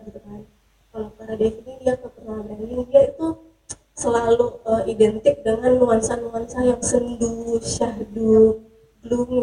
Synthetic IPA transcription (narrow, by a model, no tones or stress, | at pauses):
ɡit̪ukan | kalakaɾadakididiakəpənabanɪndiait̪u | səlaluəidɛnt̪ɪk̚dəŋanːuansanuansajaŋsənduʃahdu | bluŋ